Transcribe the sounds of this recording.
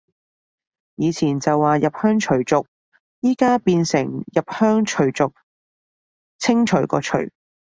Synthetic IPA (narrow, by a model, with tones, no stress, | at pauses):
jiː˨˧t͡sʰiː˨˩nt͡sɐ˨wːaː˨˧jɐ˨p̚hœː˥ŋt͡ʃʰɵ˨˩ɥt͡sʊ˨k̚ | jiː˥kaː˥piː˧nsɪ˨˩ŋjɐ˨p̚hœː˥ŋt͡ʃʰɵ˨˩ɥt͡sʊ˨k̚ | t͡sʰɪ˥ŋt͡ʃʰɵ˨˩ɥkɔ̰ː˧t͡ʃʰɵ̰˨˩ɥ